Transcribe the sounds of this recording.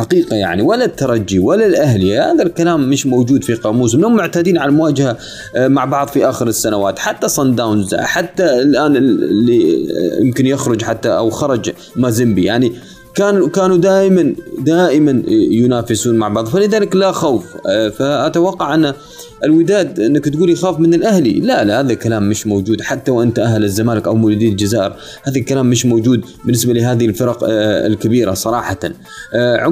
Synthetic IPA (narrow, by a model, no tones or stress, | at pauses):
ħaqiːqaja̰ʕniwalːat̪ːɑɾˤɑd͡ʒːiwalalʔahlɪjaha̰ːðalkalaːmːɪʃmowd͡ʒuːd̪fiqɑːmuːs̬mɪnhʊmːʊʕt̪aːd̪iːnʕalamʊwaːd͡ʒaha | maʕbɑʕðˤfiʔaːxɪɾɪsːanawaːt̪ħat̪ːasˤɑnd̪awnz̰ħat̪ːaɪlʔaːnɪ̰lːijɪ̰mkɪnjɪxɾʊd͡ʒħat̪ːaʔa̰wxɑɾˤɑd͡ʒ | mazɪmbijaʕni | kaːnukaːnud̪aːʔɪmand̪aːʔɪmanjʊnaːfɪsuːnmaʕbɑʕðˤfalɪðaːlɪklaxawffaʔat̪awɑqːɑʕʔɪnːa | ʔɪlwɪd̪aːd̪ʔɪnːakt̪ɡuːljxaːfmɪnɪlʔahlḭlalahaːðakalaːmːɪʃmowd͡ʒuːd̪ħat̪ːawʔɪnt̪aʔaɦlazːamaːlɪkʔawmʊluːd̪iːald͡ʒazaːʔɪɾ | haːðalkalaːmːɪʃmowd͡ʒuːd̪bɪnːɪsbalɪɦaːðɪlfɪɾˤɑqɪ̰lkabiːɾasˤɑɾˤɑːħɑt̪an | ʕʊ